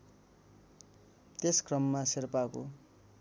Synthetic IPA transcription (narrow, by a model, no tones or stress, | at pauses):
t̪eskrʌmːasirpako